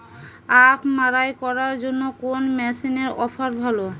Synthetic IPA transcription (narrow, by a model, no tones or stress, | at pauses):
apʰmaɾajkɔɾaɾd͡ʑonːokonmɛsineɾɔ̰fʰaɾbʱalo